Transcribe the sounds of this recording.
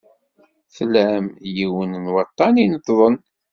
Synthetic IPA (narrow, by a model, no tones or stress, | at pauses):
θlæmjiwənnwɑt̪ˤːɑninət̪ːðˤən